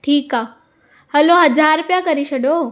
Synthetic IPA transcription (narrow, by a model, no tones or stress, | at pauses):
ʈʰiːkaː | hɐloɦɐd͡ʑaːɾpjakɐɾiʃʰɐɗo